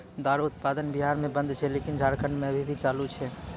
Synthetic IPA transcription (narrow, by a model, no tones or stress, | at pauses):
d̪aɾut̪̚pad̪ənbiɦaɾmẽbə̃nd̪t͡ʃʰɛlekind͡ʒʱaɾkəɳɖmẽəbʱibʱit͡ʃaːlut͡ʃʰɛ